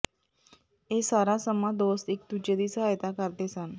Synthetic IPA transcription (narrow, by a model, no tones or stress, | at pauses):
esaɾasəmad̪ost̪ek̚t̪ut͡ɕed̪isajt̪akaɾt̪esan